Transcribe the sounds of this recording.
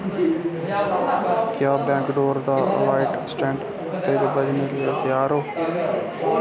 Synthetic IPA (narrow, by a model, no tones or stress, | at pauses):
kjaːbɛ̃ːŋkɖoːɾd̪aːə̰laːɪʈsʈɛ̃ːɳʈ | t̪eːd̪eːbəd͡ʒneːliət̪jaːɾoː